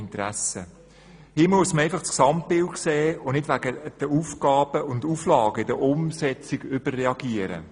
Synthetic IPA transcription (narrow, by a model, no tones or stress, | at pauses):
nt̪ɾæ̰sə | hiəmuəsməɛɪfɑχsksɑmt̚pɪltkseːʊnɪdvʋæɡəd̥əufɡ̥ɑːb̥əʊnduflɑːɡəɪd̥əʔʊmsɛt͡sɪɡʏbərːɛɑɡiəɾə̰